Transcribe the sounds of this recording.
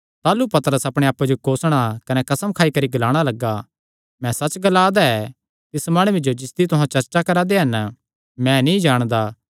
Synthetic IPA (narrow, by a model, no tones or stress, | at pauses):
t̪aːlupɐt̪əɾəsɐpɽ̃eaːpːed͡ʒokoːsɽ̃akɐnɛkɐsəmkʰaːikɐɾiɡɐlaːɽ̃alɐɡːa | mɛ̃sɐt͡ʃɡɐlaːd̪aɛ | t̪ɪsmaːɽ̃ʊʋid͡ʒod͡ʒɪsd̪it̪ʊɦãt͡ʃɐɾt͡ʃakɐɾad̪eɦɐn | mɛ̃nĩd͡ʒaːɽ̃d̪aː